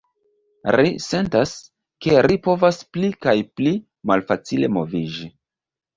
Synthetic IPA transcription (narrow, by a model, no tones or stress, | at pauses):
ɾḭse̞ntas | ke̞ɾipo̞vasplikajpli | malfat͡sile̞̰mo̞vid͡ʒi